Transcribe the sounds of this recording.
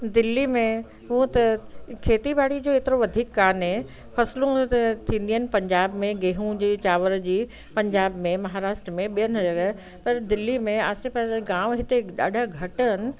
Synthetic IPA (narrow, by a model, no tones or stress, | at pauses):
d̪ɪlːimẽ | ɦũə̃t̪ɐkʰeːt̪ibʱaːɽid͡ʑoːeːt̪ɪɾoʋɐd̪ʱiːkːaːnɦe | pʰɐslũt̪ʰĩːn̆d̪iɦənɪ̆pɐ̃ɲd͡ʑaːbmẽɡeːɦũd͡ʑiːt͡ɕaːʋəɾd͡ʑiː | pɐ̃ɲd͡ʑaːbmẽmɐɦaːɾaːʃʈɾəmẽɓijənɐd͡ʑɐɡ | pɐɾd̪ɪlːimẽaːsepɐɡãːʋɦɪt̪eɗa̰ːɖʱəɡʱɐʈənɪ̆